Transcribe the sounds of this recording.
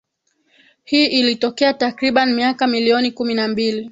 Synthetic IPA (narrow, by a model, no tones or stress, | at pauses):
hiːʔilitɔkɛatakɾiɓanimiakamiliɔnikuminambili